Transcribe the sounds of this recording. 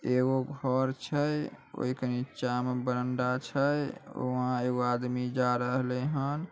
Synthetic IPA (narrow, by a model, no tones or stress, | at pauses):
eɡoɡʱəɾt͡ʃʰəj | o̰ikənit͡ʃamebəɾəɳɖat͡ʃʰəjo̰ɦãeɡoad̪mid͡ʒaɾəɦlɛɦən